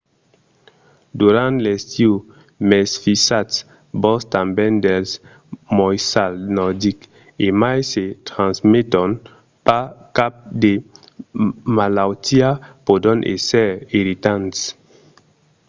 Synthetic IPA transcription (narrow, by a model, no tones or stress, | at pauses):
d̪uɾãnt̪lest̪iu | mɛsfisat̪s | bɔst̪ãmbɛ̃nd̪els | mɔjsalnɔd̪ik | emajset̪ɾãnsmet̪ɔn | pakap̚d̪e | malawt̪iapod̪ɔ̃nʔḛsɛɾiɾit̪ãnt̪s